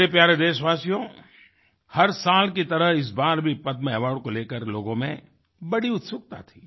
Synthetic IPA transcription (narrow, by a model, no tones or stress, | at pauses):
epjaːɾed̪eːʃʋaːsijõ | hɐɾsaːlkit̪ɐɾəɦɪs̬baːɾbʱipɐd̪mẽɐʋaːɾɖ̚koleːkəɾloːɡõmẽ | bɐɽiʊt̪sʊkt̪a̰t̪ʰiː